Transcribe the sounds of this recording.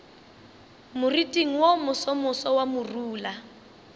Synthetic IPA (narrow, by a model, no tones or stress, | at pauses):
mʊritʼiŋ̩womʊsɔmʊsɔwamʊruːla